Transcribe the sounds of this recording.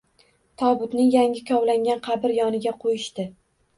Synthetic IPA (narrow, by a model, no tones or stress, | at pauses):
t̪ʰɒbʊt̪nɪŋjaŋʲɪkʲʰɒwlaŋɡʲanqʰɑbɪɾjɒnɪɡʲaqʰojɪʃt̪ɪ